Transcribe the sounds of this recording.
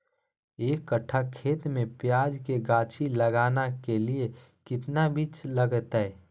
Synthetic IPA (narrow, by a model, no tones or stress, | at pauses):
eːkːəʈʰakʰːeːt̪mẽpjaːd͡ʒkeɡaːt͡ʃʰiləɡaːnakelie | kɪt̪nabiːt͡ʃləɡət̪ɦɛː